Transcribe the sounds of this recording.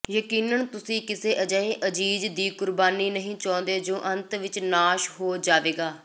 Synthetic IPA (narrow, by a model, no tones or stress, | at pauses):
jəkiːnənt̪ʊsĩːkɪseːʔəd͡ʒaːẽːʔəd͡ʒiːd͡ʒd̪iːkʊɾbaːniːnəɦĩːt͡ʃãːnd̪eːd͡ʒoːʔə̃nt̪ʋɪt͡ʃnaːʃɦoːd͡ʒaːʋeːɡaː